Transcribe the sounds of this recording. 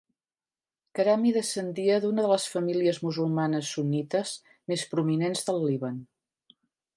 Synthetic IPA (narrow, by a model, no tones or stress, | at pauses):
kəɾamiðəsənd̪iəðunəðələsfəmiliəzmuzulˠmanəsːunit̪əz | mespɾuminenzðəlˠːiβən